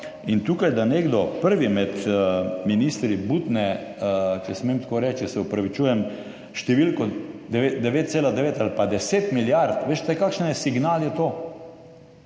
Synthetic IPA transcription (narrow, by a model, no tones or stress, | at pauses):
int̪uːkajd̪aneːɡd̪ɔpəɾʋimɛt̪minist̪ɾibut̪nɛ | t͡ʃɛsmemt̪koːɾɛːt͡ʃ̪asɛɔpɾaʋit͡ʃuːjɛm | ʃt̪ɛʋilkɔd̪ɛʋed̪ɛʋeːt̪̚seːlad̪ɛʋeːt̪alpad̪ɛseːt̪miljaɾt̪ʋeːʃt̪ɛkaːkʃnjɛsiɡnaːljɛt̪oː